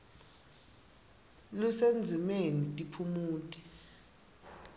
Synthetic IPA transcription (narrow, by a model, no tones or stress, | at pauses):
lusend͡zʱimenitʼipʰumuːtʼi̥